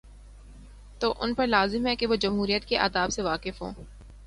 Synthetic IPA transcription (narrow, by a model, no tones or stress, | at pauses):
t̪oːʔʊ̰npɐɾlaːzɪmɦɛkeʋod͡ʒɐmɦuːɾijət̪keʔa̰ːd̪aːbseʋaːkɪfɦo̰ː